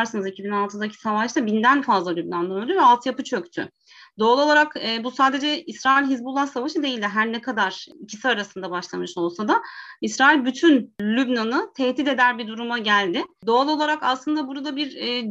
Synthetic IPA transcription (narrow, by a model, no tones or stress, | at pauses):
ɾsɯnɯzecʰibinalˠt̪ʰɯd̪acʰi̥savaʃt̪abind̪ænfazlˠalʲybnand̪onod̪uvɛalˠt̪ʰɯjapɯt͡ʃʰøct̪ʰʏ̰ | d̪o̞alˠo̞lˠaɾakɛːbusaːd̪e̞d͡ʒɛisɾaːilʲɦizbulˠːasavaʃɯd̪e̞jilʲd̪iɦæɾnɛkʰad̪aɾ̥icʰi̥siaɾasɯnd̪abaʃlˠamɯʃo̞lˠsad̪aisɾaːilʲbyt̪ʰynlʲybnanɯt̪ʰɛhd̪it̪e̞d̪æɾbid̪uɾumaɟælʲd̪ɪd̪o̞alˠo̞lˠaɾakaslˠɯnd̪abuɾad̪abiɾː